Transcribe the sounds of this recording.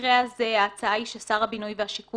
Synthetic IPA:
ʁeazeaːt͡saaiʃesaʁhabinujveɦaʃiku

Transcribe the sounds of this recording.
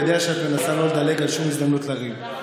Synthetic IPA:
d̪eaʃeat̪me̞nasalold̪ale̞ɡalʃumizd̪amnutlaʁim

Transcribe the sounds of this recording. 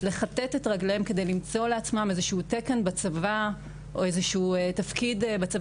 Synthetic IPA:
le̞χat̪etetʁaɡleemke̞d̪e̞jlimt͡so̞leat͡smamezeʃuteke̞nbat͡sava | o̞ezeʃuːtafkidbat͡sava

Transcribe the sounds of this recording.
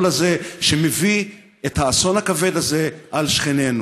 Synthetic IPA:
lazeʃemevi | ethaːso̞nhakave̞d̪aze̞ʔalʃχenenu

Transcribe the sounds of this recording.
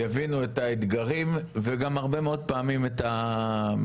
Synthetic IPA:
javinuetaet̪ɡaʁimveɡamaʁbe̞meo̞d̪̚paːmimet̪a

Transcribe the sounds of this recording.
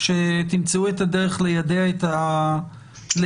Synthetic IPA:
ʃet̪imt͡seuet̪adeʁeχlejadeaet̪a | le

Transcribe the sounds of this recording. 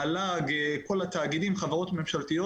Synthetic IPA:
alaɡeko̞lat̪aːɡidimχavaʁo̞t̪me̞mʃalt̪ijo

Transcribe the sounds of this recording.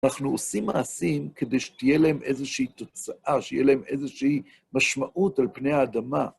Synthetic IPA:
naχnuosimːa̰ːsimked̪ejʃe̥t̪ijelahemʔezeʃeit̪o̞t͡saʔaʃeijelahemḛzeʃei | maʃmaʔutalpnejhaːd̪ama

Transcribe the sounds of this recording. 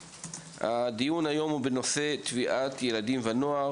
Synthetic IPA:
ha̰dijunajo̞mhubeno̞se̞t̪viʔat̪jeladimvanoaʁ

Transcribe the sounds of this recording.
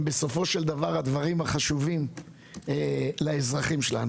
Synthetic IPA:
be̞so̞fo̞ʃe̞ld̪avaʁad̪vaʁimaχaʃuvim | elaezʁaχimʃela̰nu

